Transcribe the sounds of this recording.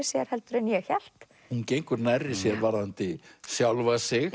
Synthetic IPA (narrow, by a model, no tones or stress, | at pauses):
ɪsjɛɾ̥hɛlt̪ʏɾɛnjɛçɛl̥t̪ | huncejŋkʏɾnajrːɪsjɛɾvaɾðant̪ɪsjawlvasɪɣ